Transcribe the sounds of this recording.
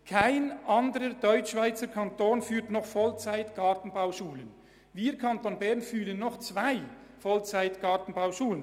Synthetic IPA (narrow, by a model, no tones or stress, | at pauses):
kʰaɪnʔɑndəɾədɔʏt͡ʃʃv̥aɪt͡səɾkʰantoːnfyːtnɔχfɔlt͡saɪtɡ̥ɑːtn̩baʊʃuːlən | viːkʰantoːnbɛʁnfyːlənːɔχt͡svaɪ | fɔlt͡saɪtɡ̥ɑtn̩baʊʃuːlən